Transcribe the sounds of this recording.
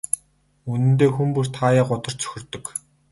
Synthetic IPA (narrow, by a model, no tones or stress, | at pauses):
unɘ̆nt̪eːxumpur̥t̪ʰaːjaːɢʊt̪ɞ̆r̥t͡sʰɵ̥xʲɪ̆rt̪ɵ̆k